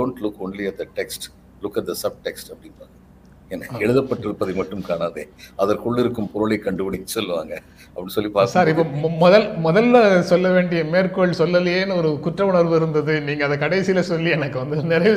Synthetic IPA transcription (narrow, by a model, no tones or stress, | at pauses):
ɖoːɳʈlʊkːɔnliɐʈ̪̚d̪ɐʈɛksʈ | lʊkːɐʈ̪̚d̪ɐsɐb̚ʈɛksʈɐpːɐɽɪnpaːɡɐ | ɛnːɐɛɻɯðɐpːɐʈːɪɾɯpːɐðɐɪmɐʈːɯmkaːnaːðḛːɐðɐɾkʊɭːɪɾɯkːɯmpɾoːlɐɪkɐɳɖɯpɐɽinːɯsɔlːɯʋa̰ːŋɡɐ | ɐpːɐɽĩsɔlːipaːɾsaːɾɪpːomɔðɐlmɔðɐlːɐsɔlːɐʋeːɳɖɪjɐmeːɾkoːɭsɔlːɐlɪjeːnɯɔɾɯkʊʈrɐʊɳɐɾʋɯɪɾɯnd̪ɐðɯniːŋɡɐːðɐkɐɽɐɪsɪjlɐsɔlːiɛnɐkːɯʋɐnd̪ɯnɪɾɐʋ